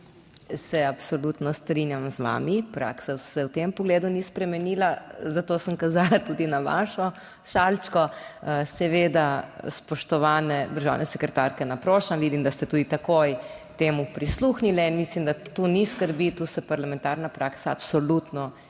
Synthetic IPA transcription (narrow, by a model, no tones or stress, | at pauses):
sɛapsolut̪nɔst̪ɾinjamzʋa̰ːmipɾa̰ːksasɛwt̪empɔɡleːd̪unispɾɛmɛniːlazat̪oːsəmkazalat̪ud̪inaʋa̰ːʃɔ | ʃalt͡ʃkɔsɛʋeːd̪aspɔʃt̪ɔʋaːnɛd̪əɾʒa̰wnɛsɛkɾɛt̪aɾkɛnapɾoːʃamʋid̪imd̪ast̪ɛt̪uːd̪it̪akojt̪eːmupɾisluxnilɛinmislimd̪at̪uniskəɾbit̪usɛpaɾlamɛ̃nt̪aːɾnapɾaːksa̰ːpsɔlut̪nɔ